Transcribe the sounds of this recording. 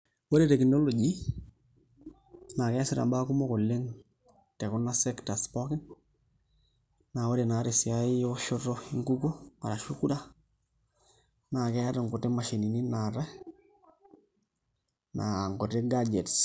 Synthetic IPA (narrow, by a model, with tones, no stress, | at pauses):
wo˦ɾe˦te˨ki˨no˦lo˨ɟi˦ | na˨kɛ˦sɪ˦ɾa̰˨ba˦ku˦mo˦ko˨lːe˦ŋ | tɛ˨ku˦na˦sɛ˦kta˨spɔ˦kɪ˦n | na˨o˦ɾe˨naː˨ɾe˨si˨a˦ɪ˦jo˦ʃo˦to˦iŋɡu˦ko˦ma̰˨ɾa˨ʃu˦ku˦da˦ | na˨kɛ˦a˦ta˨ŋko˨te˦ma˨ʃi˨ni˨ni˦na˨ɾa˦ | nʔa˨ŋko˨te˦ɡa˦d͡ʒe˨ts